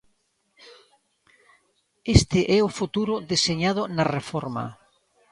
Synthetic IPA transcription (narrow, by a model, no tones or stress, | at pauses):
est̪ɪʔɛʊfut̪uɾʊðeseɲað̞ʊnɐrefɔɾma̰